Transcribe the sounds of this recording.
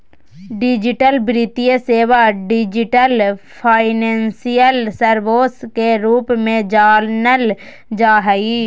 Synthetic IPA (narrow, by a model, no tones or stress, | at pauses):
ɖɪd͡ʒɪʈəlbɾit̪ijəseːʋaɖɪd͡ʒɪʈəlpʰaːɪnẽːnsijəlsəɾʋoːskeɾuːpmẽd͡ʒaːlnəl | d͡ʒaːɦəi